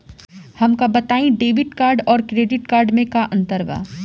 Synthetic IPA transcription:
hɐmkabɐt̪aːĩɖeːʋɪʈkaːɾɖɔːɾkɾeːɖɪʈkaːɾɖmẽkaʔɐ̃nt̪əɾʋa̰ː

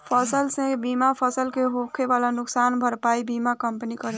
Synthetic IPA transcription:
pʰəsəlsẽbimapʰəsəlkeɦokʰebalanʊksanbʱəɾpaibimakəmpənikəɾe

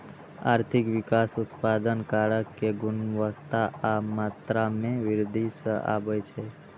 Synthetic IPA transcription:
a̰ɾt̪ʰikʋikasut̪pad̪ənkaɭəkːeɡʊnʋəkt̪aʔamat̪ɾamẽʋɪɾd̪ʱisəʔa̰ʋəjt͡ʃʰe

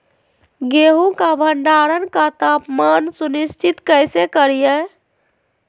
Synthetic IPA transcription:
ɡeɦũkabʱəɳɖaɾənkat̪apmansunist͡ʃʰit̪kəjsekəɾijə

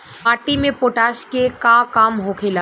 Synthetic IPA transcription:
paːɾʈimẽpoːʈaːʃkekakaːmɦokʰela

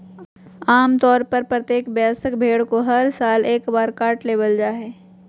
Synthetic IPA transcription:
aːmt̪ɔːɾpɐɾpɾɐt̪jeːkbjaːsəkbʱeːɽkoɦɐɾsaːleːkbaːɾkaːʈleːbəld͡ʒaːɦɛː

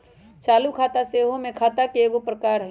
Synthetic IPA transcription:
t͡ʃaːlukʰaːt̪aseːɦõmẽkʰaːt̪akeeːɡopɾəkaːɾɦ

